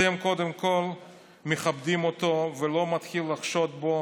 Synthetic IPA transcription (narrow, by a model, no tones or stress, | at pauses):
emko̞d̪emko̞l | meχabd̪imot̪o̞velo̞mat̪χilːaχʃot̪̚bo